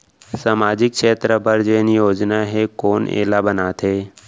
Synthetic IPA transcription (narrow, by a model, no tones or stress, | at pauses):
saːmaːd͡ʑɪk̚kʃeːt̪ɾəbʱəɾd͡ʒeːnijoːd͡ʒnaɦekoːnḛːlabənaːt̪ʰɦeː